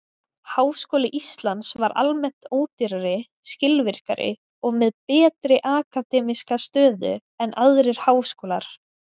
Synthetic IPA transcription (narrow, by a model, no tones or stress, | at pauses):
haːwskoːlɪʔist̪lansvaɾʔa̰lmɛn̥t̪oːwt̪iɾaɾɪ | scɪlvɪr̥ka̰ɾɪ̰ | ɔɣmɛðpɛːt̪ɾɪʔaːkat̪ɛːmiskast̪œːðʏ̰ | ɛnʔaðɾɪɾ̥haːwskoːlaɾ̥